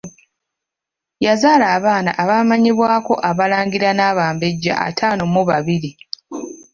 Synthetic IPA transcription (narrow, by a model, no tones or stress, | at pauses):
jazaːlaːβaːnaʔaβamaɲiβwaːko̞ʔaβalaːŋɡiɾanaːβaːmbe̞ɟːa̰ʔa̰tʰaːnomuβaβiɾi